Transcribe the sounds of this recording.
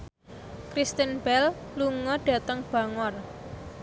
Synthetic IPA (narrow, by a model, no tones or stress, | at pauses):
kɾist̪inb̥ɛlluŋɔɖ̥a̤t̪əŋb̥a̤ŋɔr